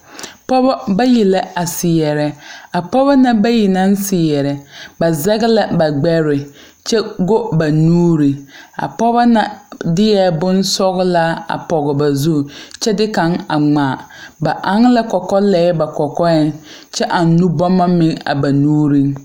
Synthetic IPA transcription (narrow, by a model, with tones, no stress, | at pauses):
pɔ˦bɔ˦ba˦ji˨la˦a˨sɪ˨jɛ˨ɾɛ˨a˨pɔ˦ba˦na˦ba˦ji˨na˦n˦sɪ˨jɛ˨ɾɛ˨ba˨zɛ˦ɣɪ˦la˦ba˨ɡ͡bɛ˦ɾɪ˨ | t͡ʃɛ˦ɡo˦ba˨nuː˦ɾi˨a̰˨pɔ˦ba˦na˦dɪ˦jɛ˦bʊ˦nsɔ˦ɣla˦a̰˨pɔ˨ɣɪ˨ba˨zu˦˨t͡ʃɛ˦dɪ˦ka˨ŋa˨ŋ͡maː˨ | ba˨ʔa˦ŋ˦la˦kɔ˨kɔ˦lɛː˨˦ba˨kɔ˨kɔ˦ɛ˦n | t͡ʃɛ˦ʔa˨nː˦u˦bɔ˦ma˦mɪ˨˦ŋa̰˨ba˨nuː˦ɾi˦ŋ